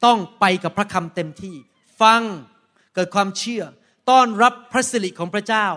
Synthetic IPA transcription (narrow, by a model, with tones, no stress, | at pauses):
t̪ɔ˥˩ŋpa˧jka˨˩pʰɾa˦˥kʰa˧mt̪e˧mt̪ʰiː˥˩ | fa˧ŋ | kɤː˨˩t̪̚kʰwaː˧mt͡ɕʰɯ˥˩ɐ | t̪ɔː˥˩nɾa˦˥pʰːɾa˦˥si˨˧li˨˩ʔkʰɔː˩˦pʰɾa˦˥t͡ɕaː˥˩w